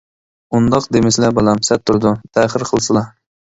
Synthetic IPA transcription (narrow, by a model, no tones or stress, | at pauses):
und̪ɑqd̪emɪslæbɨlɛmsɛt̪ʰːuɾd̪ut̪ʰɛχəɾqʰəlˠsɨlˠɑ